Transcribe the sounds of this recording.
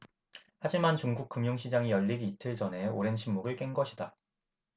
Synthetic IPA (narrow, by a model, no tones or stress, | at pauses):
had͡ʑimant͡ɕuŋɡuk̚k͈ɯmjoŋɕʰid͡ʑaŋijʌʎːiɡiːtʰɯɭt͡ɕʌne̞oɾe̞nɕʰimːoɡɯɭk͈eŋɡʌɕʰida